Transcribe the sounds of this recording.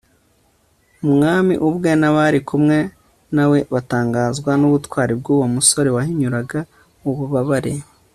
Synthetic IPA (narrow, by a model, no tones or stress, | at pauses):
mumŋaːmiʔuβwenaβaɾikumŋe̞ | nawe̞βataːŋɡaːzɡwanuβutwaːɾib̚ɡuːwamuso̞ɾewahiɲuɾaɡa | uβuβaβaɾe